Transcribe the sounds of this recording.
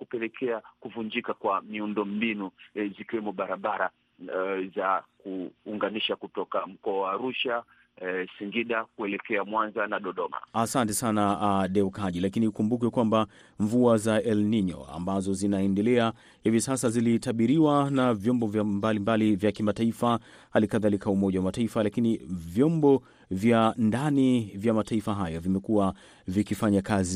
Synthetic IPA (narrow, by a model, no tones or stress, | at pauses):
kupɛlɛkʰɛakuvuɲd͡ʒikakwamiundɔmbinuzikiwɛmɔɓaɾaɓaɾa | zakuːŋɡaniʃakutɔkam̩kɔawaːɾuʃa | siŋɡiɗakuɛlɛkɛamwanzanaɗɔɗɔma̰asantɛsanaɗɛukaʄilakinikumbuk̬ɛkwamba | ɱvuazaɛlniɲɔ̰a̰mbazɔzinaɛndɛlɛa | hivisasazilitaɓiɾiwanavjɔmbɔvjambalimbalivjakimataifa | halikaðalikaumɔʄawamataifalakinivjɔmbɔ | vjandanivjamataifaɦajavimɛkuwa | vikifaɲakazi